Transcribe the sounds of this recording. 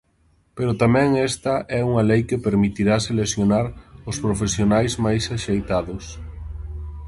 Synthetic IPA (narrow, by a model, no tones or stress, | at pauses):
peɾʊt̪amɛ̃ŋɛst̪ɐʔɛuŋɐlejkɪpeɾmit̪iɾaselesjonaɾʊspɾofesjonajzmajsaʃejt̪aðʊs